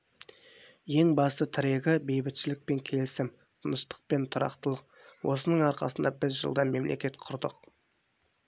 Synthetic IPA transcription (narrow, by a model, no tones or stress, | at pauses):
je̞ŋbɑst̪ət̪ʰɪɾe̞ɡʲɪbe̞jbɪt̪ʃɪlɪk̚pe̞ŋkʲʰe̞lɪsɪm | t̪ʰənəʃt̪ə̥q̚pe̞nt̪ʰʊɾɑ̰qt̪əlˠəq̚ | wʔo̞sənəɴɑɾqɑ̰sənd̪ɑbɪzʒə̰lˠd̪ɑme̞mlʔe̞̰kʲe̞t̪qʰʊɾd̪əq